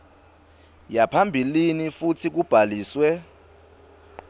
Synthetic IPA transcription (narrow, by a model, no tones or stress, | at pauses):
japʰambʱilinifutʰik̬ub̥ʱaliːswɛ